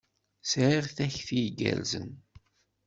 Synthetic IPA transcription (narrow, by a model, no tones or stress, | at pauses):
sɾiʁθæçθijɡæ̰lzə̰n